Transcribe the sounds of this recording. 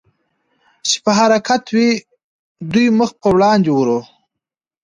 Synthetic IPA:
t͡ʃe̥pəɦaɾɑkʰat̪wi | d̪ujməxpəwlɑnd̪ewuɾo

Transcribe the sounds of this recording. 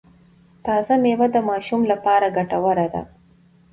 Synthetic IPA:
t̪ɑzamewad̪əmɑʃumlapɑɾaɡaʈawaɾad̪a̰

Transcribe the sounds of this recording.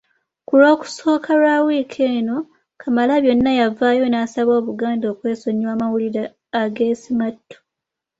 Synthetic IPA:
kulo̞ːku̥so̞ːkʰaɾawiːkʰe̞ːno̞ | kʰamalaβjo̞nːajavaːjo̞naːsaβo̞ːβuɡaːndo̞ːkwe̞ːso̞ɲːwaːmawuliɾaː | ɡe̞ːsimatːo̥

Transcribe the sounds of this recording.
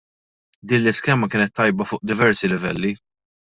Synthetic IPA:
d̪iːnlɪskɛːmɐkɪːnɛt̪ːɐjbɐfʊːʔd̪ɪvɛɾsilɪvɛlːi

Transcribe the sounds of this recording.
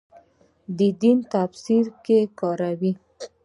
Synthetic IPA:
d̪əd̪int̪afsiɾkekɑɾawi

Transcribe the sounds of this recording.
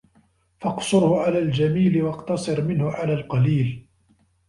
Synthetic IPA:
fɑqsˤʊɾhʊʕalaːld͡ʒamiːlɪwɑqt̪ɑsˤɨɾmɪnhʊʕalaːlqɑliːl

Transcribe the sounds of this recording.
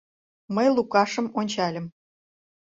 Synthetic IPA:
məjlukɑʃə̆monʲt͡ɕɑlʲə̆m

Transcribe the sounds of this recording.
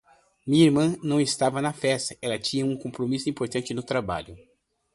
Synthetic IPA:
mĩiɾmɐ̃nɐ̃w̃ɪst̪avɐnɐfɛst̪ɐɛlɐt͡ʃĩɲɐũkõpɾomisʊĩpoɾt̪ɐ̃nt͡ʃɪnʊt̪ɾaba̰ʎʊ

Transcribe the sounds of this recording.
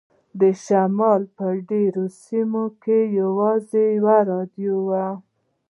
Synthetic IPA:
d̪əʃamɑlpəɖeɾosimokejawɑzejwaɾɑd̪jowa

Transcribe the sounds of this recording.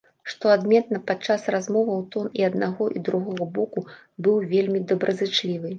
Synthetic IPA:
ʂt̪ɔad̪mʲɛt̪̚nɐpat͡ʂːasrazmɔvɐwt̪ɔniɐd̪̚naɣɔʔid̪ɾuɣɔɣɐbɔku | bɨwvʲelʲmʲid̪ɐbɾʔɐzɨt͡ʂlʲivɨ

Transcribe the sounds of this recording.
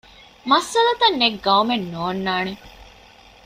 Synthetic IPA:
mɐsːɐlɐt̪ɐnːeɡɐumenːoːnːaːne

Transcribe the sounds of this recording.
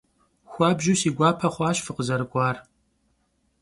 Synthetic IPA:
xʷɑːbʒusiːɡʷɑːpʰɐχʷɑːɕfɨqəzɐɾɨkʷʼɑːr

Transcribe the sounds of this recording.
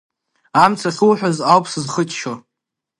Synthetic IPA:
amt͡sʰaχʲuwħʷᶣazawpʰsɨzχət͡ʃʼʰʃo

